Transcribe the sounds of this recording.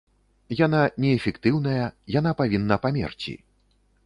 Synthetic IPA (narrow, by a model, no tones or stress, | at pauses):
jan̪anʲɛːfʲɛkt̪ɨwnɐjɐjanapavʲinːɐpamʲɛ̰rt͡sʲḭ